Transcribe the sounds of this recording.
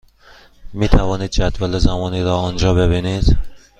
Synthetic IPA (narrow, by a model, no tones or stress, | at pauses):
miːt̪ʰævɒːniːd̪̚d͡ʒæd̪vælezæmɒːniːɾɒːɒnd͡ʒɒːbe̞βiːniːd̪̥